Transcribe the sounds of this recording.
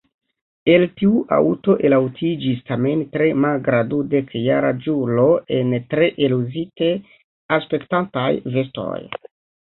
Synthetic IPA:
e̞ltiuʔa̰uto̞ʔe̞lawtʰid͡ʒistame̞ntɾe̞malɡɾadude̞kjaɾa̰d͡ʒulo̞e̞ntɾe̞ʔeluzite | aspe̞ktantajve̞sto̞̰j

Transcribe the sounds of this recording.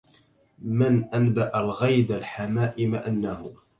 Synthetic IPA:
mɪnʔanbaʔalɣajd̪alħamaːʔɪmaʔanːahʊ

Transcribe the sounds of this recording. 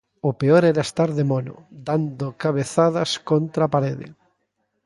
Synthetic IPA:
ʊpeɔɾɛɾaest̪aɾðemonʊ̰d̪and̪ʊkaβeθaðɐskont̪ɾapaɾeðɪ̰

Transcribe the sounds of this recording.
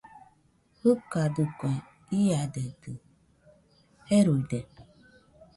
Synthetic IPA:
hɨkadukẽ | ijadedɨ | eɾuide

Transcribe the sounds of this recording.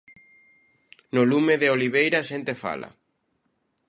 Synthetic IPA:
nʊlumeðeoliβ̞ejɾaʃent̪efa̰lɐ̰

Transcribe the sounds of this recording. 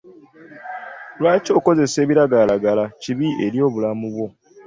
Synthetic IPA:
lwaːco̞ko̞ze̞se̞ːβiɾaɡalaɡalaciβie̞ɾjo̞ːβulamuβwo̞

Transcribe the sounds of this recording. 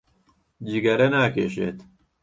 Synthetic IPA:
d͡ʒiɡɐɾɐnaːkḛːʃḛːt̪

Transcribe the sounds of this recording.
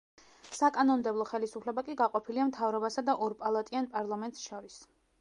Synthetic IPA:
sakʼanɔnmd̪ɛblˠɔχɛlisupʰlɛbakʼiɡaqʼɔpʰiliamt̪ʰavɾɔbasad̪aʔɔɾpʼalˠat̪ʼianpʼaɾlˠamɛnt̪ʼsʃɔɾis

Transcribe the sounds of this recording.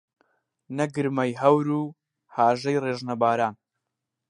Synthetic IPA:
nɐɡɨɾmɐjɦɐwɾuː | haːʒɐjreːʒnɐbaːɾaːn

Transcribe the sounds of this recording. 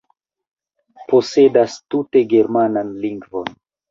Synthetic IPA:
po̞se̞dastute̞ɡe̞ɾmananliŋɡvo̞n

